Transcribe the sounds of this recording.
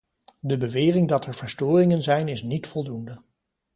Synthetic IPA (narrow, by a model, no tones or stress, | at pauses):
dəbəʋɪːrɪŋdɑtɛɹv̥əɹstʊːrɪŋənzɛjnɪsnitfɔlˠdundə